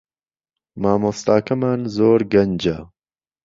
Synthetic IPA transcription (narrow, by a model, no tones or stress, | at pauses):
maːmost̪aːkɐmaːnzoːɾɡɐnd͡ʒɐ